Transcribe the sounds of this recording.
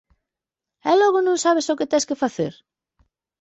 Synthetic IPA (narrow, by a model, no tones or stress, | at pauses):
ɛlɔɣʊnõŋsaβesoket̪ɛskefaθeɾ